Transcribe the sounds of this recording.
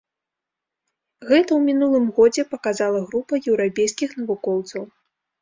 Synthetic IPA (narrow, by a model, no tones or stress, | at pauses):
ɣɛt̪ɐwmʲinulˠɨmɣɔd͡zʲɛpɐkazalˠɐɣɾupɐjɛwɾapʲejskʲixn̪ɐvukɔwt̪sɐw